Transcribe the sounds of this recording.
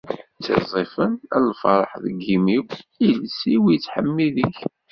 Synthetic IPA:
t͡sːḛzˤifənæ̰lfɑɾˤəħðəɡːimiwilsiwit͡sːħəmːiðiç

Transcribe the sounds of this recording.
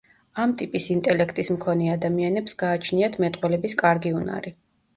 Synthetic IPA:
amt̪ʼipʼisint̪ʼɛlɛkʰt̪ʼismkʰɔnɛad̪amianɛpsɡaːt͡ʃʰniat̪ʰmɛt̪ʼqʼwɛlɛbiskʼaɾɡiuna̰ɾi

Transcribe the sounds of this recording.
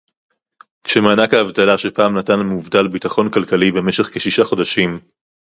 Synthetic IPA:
kʃemaːnakaːvtalaʃepaːmnatanmuvdalbitaχo̞nkalkalibe̞me̞ʃe̞χkeʃiʃaχo̞daʃim

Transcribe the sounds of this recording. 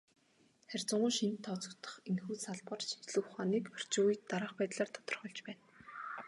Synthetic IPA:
χærʲt͡sʊɴʊːʃint̪ʰːɔt͡sɞ̆kt̪ʰə̥̆χenxuːt̪saɮpə̆rt͡ɕi̥nt͡ɕɮɘ̆wʊχaːniːkœr̥t͡ɕʊːjt̪ːaɾăːχpæːt̪ɮaːrt̪ʰɔ̥t̪ɞ̆rχœɮt͡ɕpæːn

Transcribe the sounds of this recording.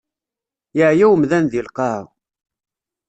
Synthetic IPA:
jəʕjæwəmðænðilqɑ

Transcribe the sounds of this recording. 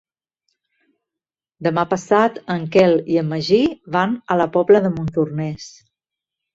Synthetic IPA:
d̪əmapəsat̪əŋkɛliəməʒiβanələpɔbləðəmunt̪urnɛs

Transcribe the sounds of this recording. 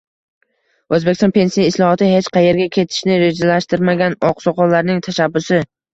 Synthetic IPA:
ɵzbekʲɪst̪ɔnpʰe̞nsijɪslˠɒhɒt̪ɪɦe̞t͡ʃqɑje̞ɾɡʲakʲʰe̞t̪ʰɪ̥ʃnɪɾe̞d͡ʒalaʃt̪ɪɾmaɡʲanɒqsɒqɒllːaɾnɪŋt̪ʰaʃabːʊsɪ

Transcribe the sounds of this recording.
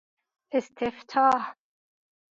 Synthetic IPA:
ɪst̪ʰɪft̪ʰɑːh

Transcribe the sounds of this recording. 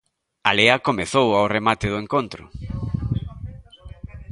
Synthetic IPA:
aleɐkomeθowawremat̪ɪðʊeŋkont̪ɾʊ̰

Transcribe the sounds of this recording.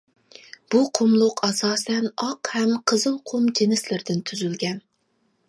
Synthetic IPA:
b̥uqʰʊmlˠʊqʰɑsɑːsɛnɑqhɛmqʰəzɨlˠqʰʊmd͡ʒenɪslɪɾd̪ɪnt̪ʰyzylɡʲɛn

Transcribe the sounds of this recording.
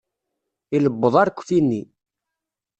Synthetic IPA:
iləbːəðˤɑɾkʷːθinːi

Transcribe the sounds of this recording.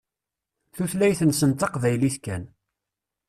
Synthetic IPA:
θuθlæjθənsənt̪ɑqvæjliθkæn

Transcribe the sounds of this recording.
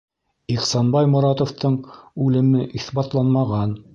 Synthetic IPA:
iqsɑnbɑjmŏɾɑt̪ŏft̪ɤɴʉlɘ̆mɘʔiθbɑt̪lˠɑnmɑʁɑn

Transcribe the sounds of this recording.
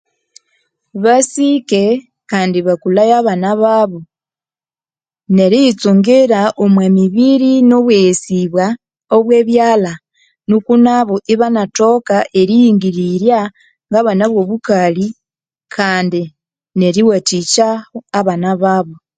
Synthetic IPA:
βasike̞ | kaːndiβakulajaβanaβaβo | ne̞ɾit͡suŋɡiɾaʔomwemiβiɾinoβwesiβwa | oβwe̞βjaːla | nukunaβoʔiβanato̞kaʔe̞ɾijiŋɡiɾiɾja | ŋɡaβanaβwo̞βukali | kʰaːndi | ne̞ɾiwatit͡ʃaoːβanaβaβo̞

